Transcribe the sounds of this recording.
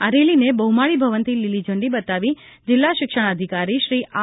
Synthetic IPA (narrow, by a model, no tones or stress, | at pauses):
aɾelinebəɦumaɭibʱəʋənt̪ililid͡ʒə̃ɳɖibət̪aʋi | d͡ʒɪlːaʃɪkʃəɽ̃əd̪ʱikaɾiʃɾiʔʔa